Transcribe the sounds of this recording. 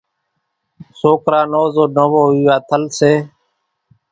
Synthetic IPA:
soːkɾaːnoːzoːnəʋoːɦiːʋaːt̪ʰəlseː

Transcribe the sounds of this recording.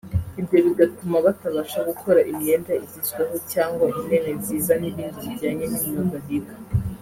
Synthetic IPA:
ibɟo̞βiɡatumaβataβaʃaɡukʰo̞ɾaʔimɲe̞ːndaizisweɦo̞caːŋɡwaimme̞neziːzaniβiːnduβiɟaːɲe̞nimɲoːndaɦiɡḁ

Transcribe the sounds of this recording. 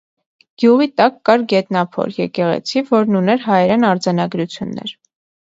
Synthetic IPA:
ɡ̥juʁit̪ɑkːɑɾɡɛt̪nɑpʰɔ̰ɾjɛ̰kɛʁɛ̰t͡sʰivɔɾnunɛɾɦɑjɛɾɛnɑɾd͡zɑnɑɡɾut͡sʰjunːɛ̰ɾ

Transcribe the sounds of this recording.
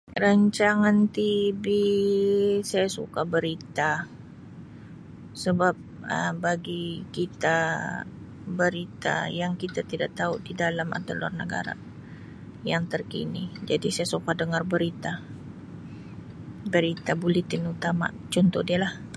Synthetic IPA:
raɲt͡ʃaŋant̪ibi | sajasṵkabəɾit̪a | səbap̚ | ə̰baɡikit̪a | bəɾit̪a̰jaŋkit̪at̪idaʔ̚t̪audidalama̰d̪əla̰rnə̰ɡa̰ɾa̰ | jaŋt̪ərkḭnid͡ʒadisajasukadəŋarbəɾit̪a | bəɾit̪abulit̪ɪnut̪ama̰ | t͡ʃɔnt̪ɔhdialah

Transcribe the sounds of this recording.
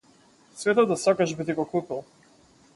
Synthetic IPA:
svɛt̪ɔd̪asakaʒbit̪iɡɔkupilˠ

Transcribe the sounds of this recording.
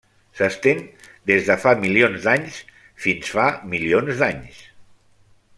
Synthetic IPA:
səst̪en | d̪ezðəfamilionzd̪aɲs | finsfamilionzd̪aɲs

